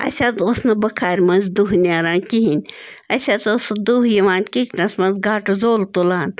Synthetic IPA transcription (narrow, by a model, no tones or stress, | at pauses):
ɐ̰sʲat̪osnɐbɐkʰaːɾʲmɐnzd̪uɦnʲaːɾãːnkiɦinʲɐsʲat̪osd̪uɦjɐʋaːnkikʰnɐsmɐnzɡaːʈzoːlt̪olaːn